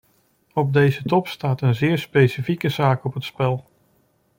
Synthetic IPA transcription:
ɔb̚dejzətɔpstaːtənzɪːɹspejsifikəzaːkɔpətspɛlˠ

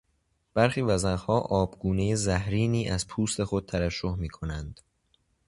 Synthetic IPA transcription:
b̥æɾχiːvæzæhɒːʔɒːbɡuːne̞jezæhɾiːniːʔæz̥pʰuːst̪e̞xo̞d̪̚t̪ʰævæʃːohmiːkʰo̞nænd̪̥

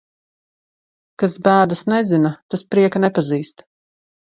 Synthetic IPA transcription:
kasbæːd̪asnɛzinat̪aspɾiɛkanɛpaziːst̪

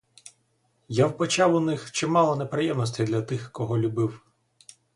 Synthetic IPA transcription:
jawpɔt͡ʃɑwʊnɪxt͡ʃɪmɑlˠɔnepɾɪjɛmnɔs̬ʲtʲijd̪lʲɐt̪ɪxkɔɦɔlʲʊbɪw

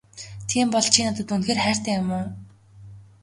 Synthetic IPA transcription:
t̪ʰiːmpɔɮt͡ɕʰiːnat̪ə̆t̪unxeːrχæːr̥ʲt̪æːjʊmʊː

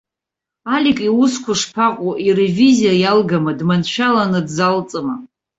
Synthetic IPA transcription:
alʲikʼiʊskʷʰʊʂpʰaqʷʼuʔirevizijajalɡamɨdmanʃᶣalanɨdzalt͡sʼɨma

